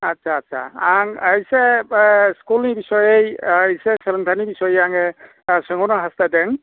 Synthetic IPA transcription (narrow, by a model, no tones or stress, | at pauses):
atsʰaːtsʰa̰aŋajse | skulnibisɔjejjseseləŋtʰanibisɔjjaŋɛ | sɔŋɔnɔɦastadɛŋ